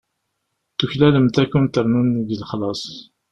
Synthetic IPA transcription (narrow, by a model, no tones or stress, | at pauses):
θuçlæləmt̪ækːunt̪əɾˤnunðilχlɑsˤ